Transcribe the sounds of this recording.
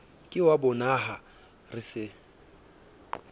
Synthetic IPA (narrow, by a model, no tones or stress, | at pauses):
kʼɪwabʊnaɦa | rɪsɪ